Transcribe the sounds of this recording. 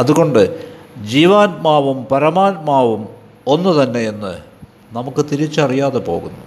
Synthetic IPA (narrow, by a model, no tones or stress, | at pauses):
ɐðuɣo̞ɳɖɨd͡ʑiːʋaːnmaːʋumpɐɾɐmaːnmaːʋum | o̞nːut̪ɐnːe̞jenːɨ | nɐmukːɨt̪iɾit͡ɕːɐrijaːðepo̞̰ːɣunːu